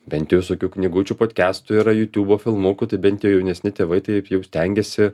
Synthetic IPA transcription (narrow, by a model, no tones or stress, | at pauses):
bʲɛnʲt̪jʊʋʲɪsoːkʲuːknʲɪɡuːt͡ʃʲupoːt̪ʲkʲæːst̪ʊiːɾɐjuːt̪ʲuːboːfʲɪlˠmuːkʲʊt̪ɐɪbʲɛnt̪ʲjɛjɛʊnʲɛsʲnʲɪt̪ʲeːʋɐɪt̪ɐɪpjɛʊsʲt̪ʲɛŋʲɡʲɛsʲɪ